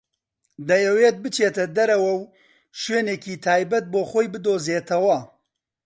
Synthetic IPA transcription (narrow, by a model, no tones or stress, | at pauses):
d̪ɐjɐweːt̪̚bɨt͡ʃʰeːt̪ɐd̪ɐɾɐwɐw | ʃweːneːkiːt̪ʰaːjbɐt̪̚boːxoːjbɨd̪oːzeːt̪ʰɐwɐ